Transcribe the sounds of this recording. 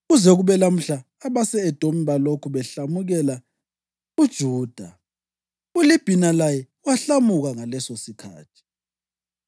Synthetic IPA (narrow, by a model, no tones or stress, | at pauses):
ɣuzɛɣuβɛlam̩ɬaːβasɛːd̥ʱom̩βalokʰuβɛɬamuɣɛla | ud̥ʒ̥ʱuːd̥ʱa | ulib̥ʱinalajɛ | waɬamuɣaŋalɛsosikʰa̰ːtʰi̥